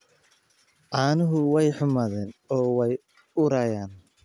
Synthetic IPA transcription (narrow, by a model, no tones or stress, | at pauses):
ʔaːnʊɦʊwɛjħʊmaːðɛːnɔːwɛj | ʊɾaːjaːn